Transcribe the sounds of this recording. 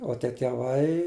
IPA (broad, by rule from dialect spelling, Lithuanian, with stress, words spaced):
oː ˈtʲiɛ tʲɛˈʋɐɪ